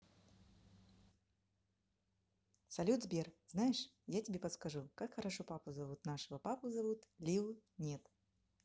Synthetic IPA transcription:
salʲud̪zbʲɛrznajɛʂjatʲabʲɛpɐt̪skaʐukakxɐɾaʂɔpapɨzavut̪naʂɐvɐpapɨzavut̪lʲiwnʲɛt̪

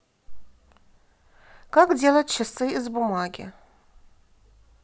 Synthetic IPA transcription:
kakdʲelˠɐt̚t͡ʃʰɪsɨizbumaɡʲɪ̰

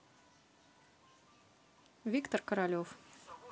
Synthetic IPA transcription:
vʲikt̪orkɐɾalʲof

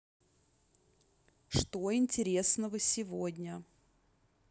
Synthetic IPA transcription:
ʂt̪oɪnʲtʲɪɾʲe̞snəvəsʲɪvodʲnʲə

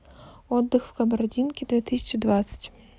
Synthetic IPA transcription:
ɔd̪ːɨxw̥kɐbɐɾɐdʲinkʲid̪vʲit̪ɪsʲɐ̥t͡ʃid̪ʋat̪sʲɐ̥tʲ

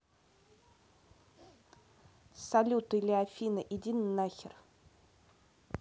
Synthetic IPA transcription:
sɐlʲut̪ɨlʲɪafʲinəʔɪdʲinnːaxʲɪr

